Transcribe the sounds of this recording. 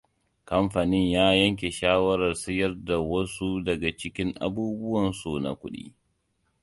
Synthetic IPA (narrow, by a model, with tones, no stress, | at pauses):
kɐ˦mɸa˨nɪ˦ɲjaː˦jɐ˦ŋk̬ʲe˨ʃaː˦wɐ˦ɾɐ˨rsɪ˦jɐ˦rda˨wɐ˦su˦dɐ˨ɡa˨t͡ʃɪ˦kʲɪ˦ŋʔa̰˦buː˦bʊ˦wɐ˨nsu˨na̰˨kʷʊ˦ɗḭː˦